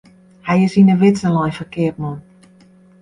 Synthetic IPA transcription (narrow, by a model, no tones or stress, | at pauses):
hɛjɪsinəʋɪtsəlɔjfərkɪət̚mɔn